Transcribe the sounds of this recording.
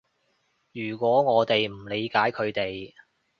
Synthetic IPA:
jyː˨˩kʷɔː˨˥ŋɔː˨˧t̪e˨jm̩˨˩le˨˧jkaː˨˥jkʰɵ˨˧ɥt̪e˨j

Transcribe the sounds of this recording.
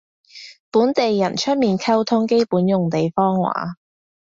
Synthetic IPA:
puː˨˥nt̪e˨jːɐ˨˩nt͡ʃʰɵ˥t̚miː˨nkʰɐ˥wt̪ʰʊ˥ŋke˥jpuː˨˥njʊ˨ŋt̪e˨jfɔː˥ŋwa̰ː˨˥

